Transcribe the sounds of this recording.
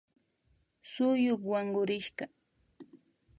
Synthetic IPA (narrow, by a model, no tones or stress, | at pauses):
sʊjʊkwaŋɢʊɾɪʃɢɑ